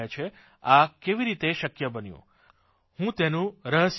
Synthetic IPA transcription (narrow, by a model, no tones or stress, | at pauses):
at͡ʃʰe | akeʋiɾit̪eʃəkjəbənjṵ̃ | hũt̪enũɾəɦəs